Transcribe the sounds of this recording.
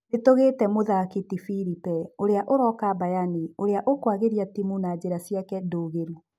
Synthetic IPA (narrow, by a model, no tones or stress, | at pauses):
etoɣeːtɛmoðakitifiɾipɛoɾeaʔoɾɔkabajanioɾeaʔokwaɣeɾiatimunad͡ʑeɾasiakɛdoːɣeɾu